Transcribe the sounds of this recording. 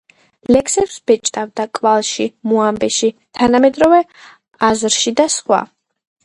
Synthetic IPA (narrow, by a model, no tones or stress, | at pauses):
lɛkʰsɛpsb̥ɛt͡ʃʼt̪ʼavd̪akʼvalˠʃimuambɛʃit̪ʰanamɛd̪ɾɔvɛ | azɾʃid̪asχwa̰